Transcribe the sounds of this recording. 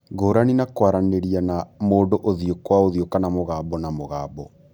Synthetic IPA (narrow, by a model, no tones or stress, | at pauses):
ɣoːɾaninakwaɾaneɾianamoːdoʔoðiokwaoðiokanamoɣaːbɔnamoɣaːbɔ